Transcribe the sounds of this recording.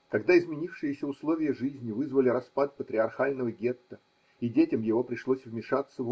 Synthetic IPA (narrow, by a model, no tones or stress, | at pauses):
kɐɡd̪aɪzmʲɪnʲifʂɨjɪsʲəʊslˠovʲɪjəʐɨzʲnʲɪvɨzvəlʲɪɾɐspat̪̚pət̪ɾʲɪɐrxalʲnəvəɡʲe̞t̪ːə | idʲetʲɪmjɪvo̞pɾʲɪʂlˠosʲvmʲɪʂat̪səv